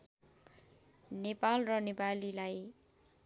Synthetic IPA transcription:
nepalrʌnepalilaj

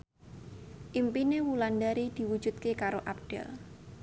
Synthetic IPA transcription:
ʔimpinewuland̪aɾid̪̥i̤wud̥ʒ̥ṳt̪̚kekaɾoʔap̚d̥ɛ̰l

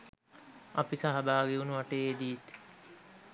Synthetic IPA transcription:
ɐpisaɦɐbaːɡeunuʋaʈeed̪it̪

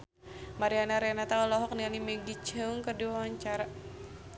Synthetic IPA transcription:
maɾianaɾɛnat̪aulɔɦɔk̚nialimeɡit͡ʃəŋkəduwaaɲt͡ʃaɾa

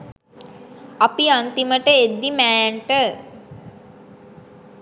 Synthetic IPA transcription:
apiant̪iməʈəed̪ːimæːjɳʈə

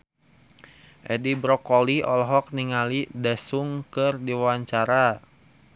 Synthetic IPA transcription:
ʔɛdibɾɔkɔliɔlɦɔk̚niŋalidɛsuŋkɨrdiwwaɲt͡ʃaɾa

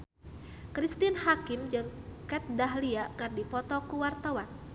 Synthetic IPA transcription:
kɾist̪ɪnhakɪmd͡ʒɨŋkɛt̪̚daɦliakɨrdipɔt̪ɔkuwart̪awan

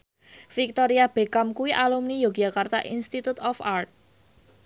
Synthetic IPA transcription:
fik̚t̪ɔɾiab̥e̤kamkuwiʔalumnijoɡijakart̪a̰ʔḭnst̪it̪ut̪ɔfart̪̚

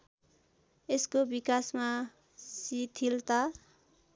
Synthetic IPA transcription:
eskobikasma | sit̪ʰilt̪a

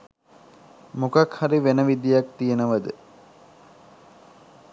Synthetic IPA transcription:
mukakhaɾiʋenəʋid̪ijak̚t̪ijənəʋəd̪ə

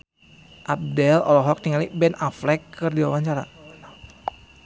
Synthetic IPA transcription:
ʔab̚dɛlɔ̰lɔɦɔk̚t̪iŋalibɛnaflɛkːɨrdiwawaɲt͡ʃaɾa̰

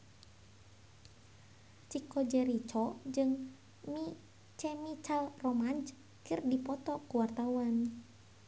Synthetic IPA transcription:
t͡ʃikɔd͡ʒɛɾit͡ʃɔd͡ʒɨŋ | mi | t͡ʃɛmit͡ʃalrɔmand͡ʒ | kɨrdipɔt̪ɔkuwart̪auan

